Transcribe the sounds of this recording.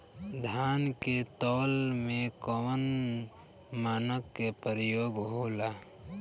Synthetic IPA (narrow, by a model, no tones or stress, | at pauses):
d̪ʱaːnket̪ɔːlmẽkɔʋən | maːnəkːepəɾəjoːɡɦoːlaː